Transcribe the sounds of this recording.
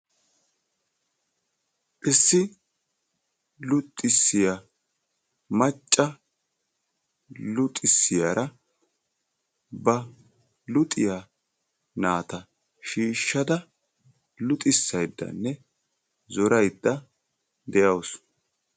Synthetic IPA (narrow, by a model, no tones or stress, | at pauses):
ʔɪsːɪ | lʊt̪ʼːɪsːɪjɐ | mɐt͡ʃʼːɐ | lʊt̪ʼɪsːɪjaːɾʔɐ | bɐ | lʊt̪ʼːɪja | naːt̪ɐ | ʃiːʃːɐd̪ɐ | lʊt̪ʼɪsːɐjd̪ːɐ̰nːɛ | zɔɾɐjd̪ːɐ | d̪ɛjɐws